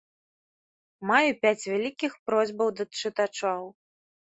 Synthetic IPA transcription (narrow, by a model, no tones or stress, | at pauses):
majupʲat͡sʲvʲalʲikʲixpɾɔzʲbɐwd̪ɐt͡ʂɨt̪at͡ʂaw